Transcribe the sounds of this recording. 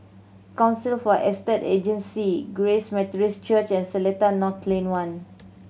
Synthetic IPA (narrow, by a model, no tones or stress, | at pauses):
kãw̃nsilfɔʔɛstɛted͡ʒə̃nsiɡɹesmɛtɹist͡ʃət͡ʃɛ̃nsɛlɛtanɔtʰlẽnwãn